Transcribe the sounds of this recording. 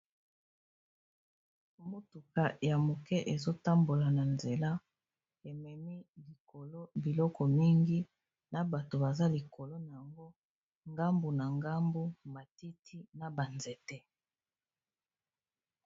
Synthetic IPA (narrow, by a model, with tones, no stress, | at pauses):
mo˦tu˨ka˨ja˨mo˨kɛ˦ʔe˨zo˦ta˦mbo˨la˨na˨nze˨la˦ | e˨mɛ˨mi˦li˨ko˨lo˦bi˨lɔ˦kɔ˨mi˦ŋɡi˦ | na˨ba˨to˨ba˨za˦li˨ko˨lo˦na˨ja˨ŋɡo˦ | ŋɡa˦mbu˨na˨ŋɡa˦mbu˦ma˨ti˦tʰi˦na˨ba˨nzɛ˨tɛ˦